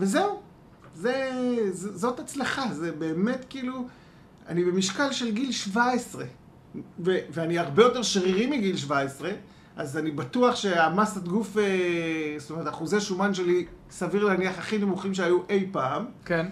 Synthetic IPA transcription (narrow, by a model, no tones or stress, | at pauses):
veze̞u | ze̞zozo̞tat͡slaχaze̞be̞ːme̞tkiːlu | a̰nibe̞miʃkalʃe̞lɡilʃvaesʁe̞ | veveaniaʁbejo̞te̞ʁʃʁiʁimiɡilʃ̬vaesʁe̞ | ʔazanibatuaχʃe̞amasat̪ɡufestome̞ʁet̪aχuzeʃumanʃe̞li | saviʁleaniaχaχinemuχimʃeajuʔe̞jpaːmken